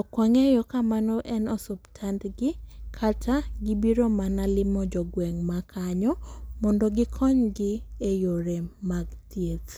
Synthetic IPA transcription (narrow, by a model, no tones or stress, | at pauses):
ɔkwaŋejɔkamanɔʔɛnɔsʊptʰantɡɪkʰatʰaɡɪbiɾomanalɪmɔd͡ʒɔɡwɛŋmakʰaɲɔmɔndɔɡɪkʰɔɲɡɪejoɾemaɡtʰjet